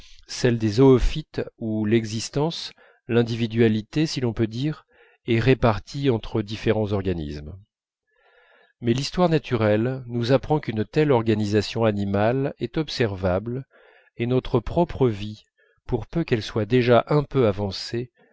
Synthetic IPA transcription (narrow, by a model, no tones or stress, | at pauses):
sɛld̪ezɔːfit̪ulɛɡzist̪ɑ̃s | lɛ̃d̪ivid̪ɥalit̪esilɔ̃pød̪iʁ | ɛʁepaʁt̪ʰiɑ̃t̪χəd̪ifeʁɑ̃zɔʁɡanḭsm | mɛlist̪waʁnat̪ʰyʁɛlnuzapχɑ̃kynt̪ɛlɔʁɡanizasjɔ̃animalɛt̪ɔpsɛʁvabl | enɔt̪χəpχɔpχəvi | puʁpøkɛlswad̪eʒaʔɛ̃pøavɑ̃se